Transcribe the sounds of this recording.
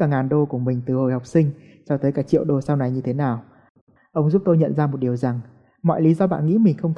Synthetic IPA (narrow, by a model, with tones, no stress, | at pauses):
aː˧˩ŋaː˨˩nɗo˧ku˧˩əmï˨˩ŋ̟t̪ɨ˨˩ho̰˨˩jha˨˩wk͡p̚sï˧ŋ̟ | t͡ɕɔ˧t̪əː˨˦jkaː˧˩t͡ɕḭ˧˨əwɗo˨˩sa˧wna˨˩jɲɨ˧t̪ʰe˨˦naː˨˩w | ʔə˧wŋ͡mzu˦˥p̚t̪o˧jɲə̰˧˨nzaː˧mo˨˩t̚ɗi˨˩əwza˨˩ŋ | mɔ̰˧˨jli˨˦zɔ˧ɓa̰ː˧˨nŋḭ˧˥mï˨˩ŋ̟xə˧wŋ͡mt̪